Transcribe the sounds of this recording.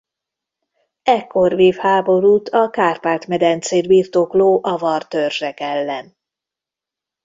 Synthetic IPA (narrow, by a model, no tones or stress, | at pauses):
ɛkʰːo̞rveːfhaːbo̞ɾuːt̪ʰɒkaːrpaːrt̪mɛd̪ɛnt̪seːd̪biːrt̪okloːʔɒvɒrt̪ørʒɛkɛlːɛn